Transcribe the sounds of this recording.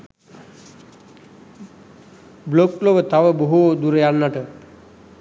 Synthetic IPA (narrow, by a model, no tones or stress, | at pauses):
blokloʋət̪aʋəboɦud̪uɾəjanːaʈə